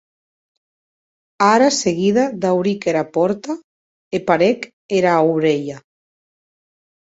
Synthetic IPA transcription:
aɾaseɣiðad̪awɾikeɾapɔɾt̪a | epaɾek | eɾaowβɾeʎa

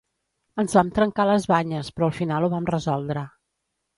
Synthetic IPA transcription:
ənzβamt̪ɾəŋkaləzβaɲəspɾɔəlˠfinalˠuβ̞amrəzɔlˠd̪ɾə

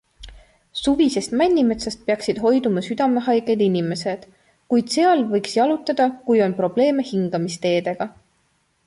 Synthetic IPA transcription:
suvise̞st̪mænʲːimet̪sest̪̚peɑksid̪̥ɦo̞jd̪umɑsyd̪̥ɑme̞ɦɑjɡ̥ed̪̥inʲime̞se̞d̪̥ | kujd̪̥se̞ɑlvɤjksjɑlut̪ːˑɑd̪̥ɑkujo̞npro̞b̥le̞ːme̞hiŋɡ̥ɑmist̪e̞ːd̪̥e̞ɡ̥ɑ

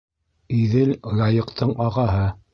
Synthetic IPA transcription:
iðɘllɑjɤ̆qt̪ɤɴʔɑʁɑɦɤ

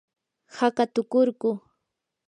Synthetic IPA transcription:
hakat̪ʊkʊɾɢʊ

